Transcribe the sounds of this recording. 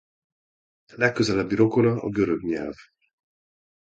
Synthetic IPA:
lɛkːøzɛlɛbːiɾo̞ko̞lɒɒ̰ɡøɾøɡɲɛ̰lv

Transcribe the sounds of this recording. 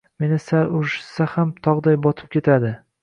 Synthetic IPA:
me̞nɪsalʊʃɪ̥sahamt̪ʰɒʁd̪ajbɒt̪ʰɪ̥p̚kʲʰe̞t̪ʰad̪ɪ

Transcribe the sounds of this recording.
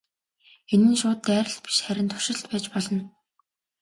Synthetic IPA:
enɘ̆nʃʊːt̪ːæːɾə̆ɬt̪̚pi̥ʃχæɾʲɪ̆nt̪ʰʊ̥ʃɪ̆ɬt̪pæːt͡ɕpɔɮɞ̆n

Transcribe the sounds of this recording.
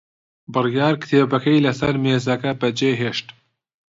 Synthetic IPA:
bɨrjɑːɾkɨ̥t̪ʰeːbɐkɐjlɐsɐɾmeːzɐkɐbɐd͡ʒeːɦeːʃt̪

